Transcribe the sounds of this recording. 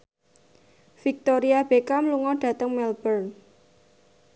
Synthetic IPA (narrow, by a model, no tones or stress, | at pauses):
fik̚t̪oɾiab̥ekamluŋɔɖ̥ä̤t̪əŋmɛlbərn